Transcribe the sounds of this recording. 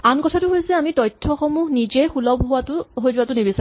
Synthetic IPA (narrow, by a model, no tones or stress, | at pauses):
ankɔtʰatʊɦojsɛamitɔjtʰːɔxɔmuɦnizɛjxulɔbɦʊwatʊɦojzʊwatʊnebisa